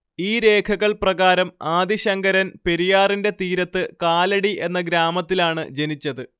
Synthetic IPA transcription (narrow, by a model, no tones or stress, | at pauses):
iːɾe̞ːkʰɐɣɐɭprɐɣaːɾɐmaːd̪iɕɐŋɡɐɾɐnpe̞ɾijaːrinde̞t̪iːɾɐt̪ːɨkaːlɐɽiʔe̞nːɐɡɾaːmɐt̪ːilaːɳɨ̰d͡ʑe̞nit͡ɕːɐðɨ